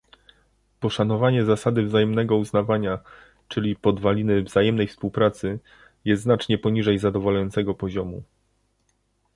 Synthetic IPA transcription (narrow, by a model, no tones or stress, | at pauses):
pɔʂanɔvaɲɛzasad̪ɘvzajɛmnɛɡɔuznavaɲa | t͡ʂɘlʲipɔd̪valʲinɘvzajɛmnɛjfspuwpɾat̪sɘ | jɛst̪znat͡ʂɲɛpɔɲiʐɛjzad̪ɔvɔlajɔnt̪sɛɡɔpɔʑɔmu